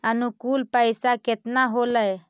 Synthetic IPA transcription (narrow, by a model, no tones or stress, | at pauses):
ənʊkuːlpəɪsaket̪naɦoːləj